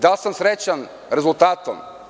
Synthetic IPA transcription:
d̪alˠsəmsɾɛt͡ʃən | ɾɛzulˠt̪at̪ə̰

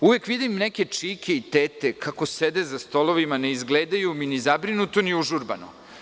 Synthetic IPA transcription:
uʋekʋid̪ineke̞t͡ʂikʰe̞it̪eːt̪ekako̞sed̪ezast̪o̞lˠo̞ʋimane̞izɡleːd̪ajuminizabɾinut̪oniuʒuɾba̰no̰

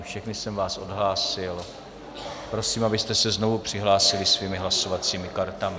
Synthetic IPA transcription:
fʃɛxnɪsɛmvaːsʔo̞dɦlaːsɪl | pɾo̞siːmabɪst̪ɛsɛzno̞vupr̝̥ɪɦlaːsɪlɪsviːmɪɦlaso̞vat͡siːmɪkaɾt̪amɪ

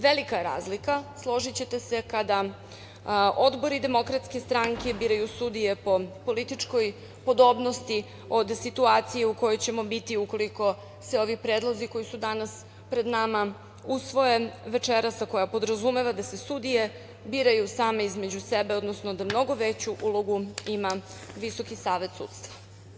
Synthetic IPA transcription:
ʋe̞likaeɾa̰ːzlikaslˠo̞ʒit͡ɕet̪e̞se̞kad̪a | ʔo̞d̪bo̞ɾid̪e̞mo̞kɾat̪ske̞st̪ɾaŋke̞biːɾajusud̪ije̞po̞po̞lit̪it͡ʂko̞j | po̞d̪o̞ːbno̞st̪i | o̞d̪sit̪uaːt̪sije̞uko̞jo̞jt͡ɕe̞mo̞bit̪iuko̞liko̞ | seo̞ʋipɾeːd̪lˠoziko̞jisud̪anas | pɾe̞d̪nama | usʋo̞je̞ʋe̞t͡ʃeɾasako̞japo̞d̪ɾazume̞ʋad̪ase̞sud̪ije̞ | biːɾajusaːmeizme̞d͡ʑusebe̞o̞d̪nosno̞d̪amno̞ɡo̞ʋet͡ɕuʔulˠo̞ɡuima | ʋiso̞kisaːʋe̞t̪sṵːt̪st̪ʋa

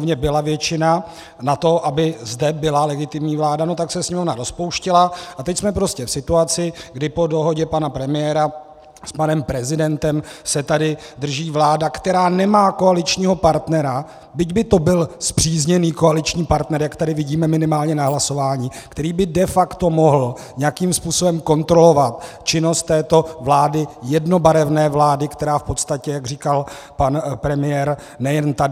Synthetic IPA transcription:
vɲɛbɪlavjɛt͡ʃɪna | nat̪o̞ʔabɪzdɛbɪlalɛɡɪt̪ɪmɲiːvlaːdano̞t̪aksɛsɲɛmovnaɾo̞spo̞wʃcɪlaʔat̪ɛcsmɛpɾo̞scɛfsɪt̪uat͡sɪɡdɪpo̞do̞ɦo̞ɟɛpanapɾɛmɪjɛːɾa | spanɛmpɾɛzɪdɛnt̪ɛmsɛt̪adɪd̪r̩ʒiːvlaːdakt̪ɛɾaːnɛmaːko̞alɪt͡ʃɲiːɦo̞paɾt̪nɛɾa | bɪɟbɪt̪o̞bɪlspr̥iːzɲɛniːko̞alɪt͡ʃɲiːpaɾt̪nɛɾjakt̪adɪvɪɟiːmɛmɪnɪmaːlɲɛnaɦlaso̞vaːɲiːkt̪ɛɾiːbɪdɛfakt̪o̞moɦl̩ | ɲɛjakiːmspuːsobɛmko̞nt̪ɾo̞lo̞vat̪t͡ʃɪno̞st̪ːɛːt̪o̞vlaːdɪjɛdno̞baɾɛvnɛːvlaːdɪkt̪ɛɾaːfpo̞t̪st̪acɛjaɡr̝iːkal | panpɾɛmɪjɛɾ | nɛjɛnt̪ad

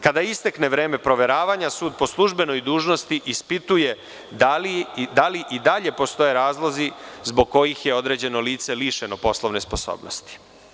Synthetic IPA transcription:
kad̪aist̪ekne̞ʋɾeːme̞pɾo̞ʋe̞ɾaːʋaɲasuːd̪̚po̞slˠuʒbe̞no̞jd̪uːʒno̞st̪iʔispit̪uje̞ | d̪alid̪aliʔid̪aʎe̞po̞st̪o̞je̞ɾaːzlˠo̞zizboɡ̚ko̞jixje̞o̞d̪ɾe̞d͡ʑe̞no̞liːt̪se̞liːʃeno̞po̞slˠoʋne̞spo̞so̰bnost̪i̥

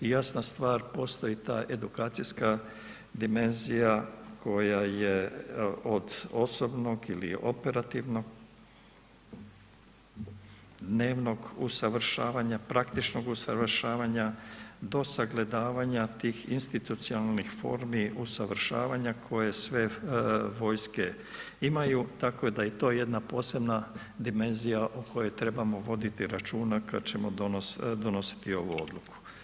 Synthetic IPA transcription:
ijasnast̪ʋaːɾpo̞st̪o̞it̪a̰ːʔe̞d̪ukaːt̪sijska | d̪ime̞nzijakʰo̞jaje | od̪o̞so̞bno̞ɡilḭo̞̰pe̞ɾat̪iʋnoɡ | d̪neːʋno̞ɡusaʋɾ̩ʃaːʋaɲapɾakt̪it͡ʃno̞ɡusaʋrʃaːʋaɲad̪o̞saɡle̞d̪aːʋaɲat̪iːxinst̪it̪ut̪sionalˠnixfo̞̰ːɾmiusaʋɾ̩ʃa̰ːʋaɲakʰo̞je̞sʋe̞ʋo̞jske̞ | imajut̪ako̞jed̪ajet̪o̞ːje̞d̪napo̞ːse̞bna | d̪ime̞nzijaʔokʰo̞jo̞jt̪ɾe̞bamo̞ʋo̞d̪it̪iɾat͡ʃuːnaka̰d̪t͡ɕe̞mood̪o̞no̞si̥t̪io̞ʋuo̞̰d̪luku̥

